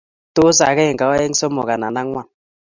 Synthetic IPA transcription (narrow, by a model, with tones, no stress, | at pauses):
to˦s̬a˨kɛ˦˨ŋka˨˦ɛ˦ŋ̩˦sɔ˦mɔ˨ka˨na˨na˦ŋwa˦˨